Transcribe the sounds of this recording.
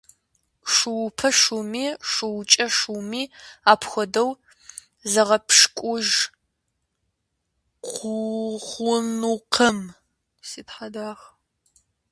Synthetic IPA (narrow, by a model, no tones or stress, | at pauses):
ʂuwpʰɐʂumiːʂuwt͡ʃʼɐʂumiːaːpʰxʷɔdɐw | zɐʁɐpʂkʷʼʊʒ | qʷuχʷʊmnuqʰɐm | siːtħadaːʁ